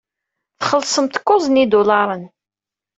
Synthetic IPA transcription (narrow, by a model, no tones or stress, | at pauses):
θχəlsˤəmt̪kːʊzˤnid̪ʊlɑɾˤən